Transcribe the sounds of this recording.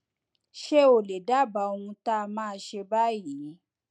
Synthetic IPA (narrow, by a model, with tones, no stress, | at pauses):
ʃe˦o˨le˨da˦˨ba˨˦o˧ũ˧ta˦˧mãː˦˧ʃe˧ba˦˨ji˨˦